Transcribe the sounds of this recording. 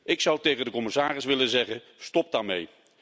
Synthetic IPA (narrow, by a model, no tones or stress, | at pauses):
ɪksʌwtejɣəndəkɔmɪsaːrɪsʋɪlənzɛχən | stɔp̚daːɹmḛj